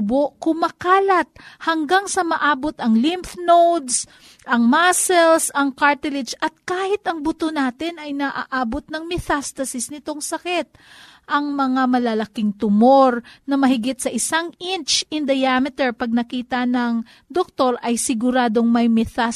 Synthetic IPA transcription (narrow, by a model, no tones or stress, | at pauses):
boʔkʊmɐkaːlɐt̪̚hɐŋɡaŋsɐmɐʔaːbo̞t̪ɐŋlɪmfnowd̪s | ʔɐŋmasɛlsɐŋkaɹt̪ɪlɪt͡ʃɐt̪̚kaːhɪt̪ɐŋbʊt̪onaːt̪ɪnʔɐjnɐʔa̰ʔaːbot̪̚nɐŋmɛθast̪ɐsɪsnɪt̪o̞ŋsɐkɪt̪̚ | ʔɐŋmɐŋamɐlɐlɐkɪŋt̪ʊmo̞ɾnɐmɐhɪɡɪt̪̚sɐʔɪsaŋʔɪnt͡ʃɪnd̪ɐjaːmɪt̪ɛɹpɐɡ̚nɐkiːt̪ɐnɐŋ | d̪ok̚t̪o̞ɾɐjsɪɡʊɾaːd̪o̞ŋmɐjmɛθa